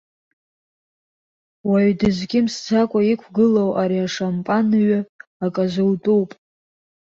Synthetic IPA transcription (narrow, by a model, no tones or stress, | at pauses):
waɥdɨzʷɡʲɪmst͡sʰakʷʼaikʷʰɡɨlowʔaɾiaʂampʼanɥaakʼaʒʷɨltʼuwpʼ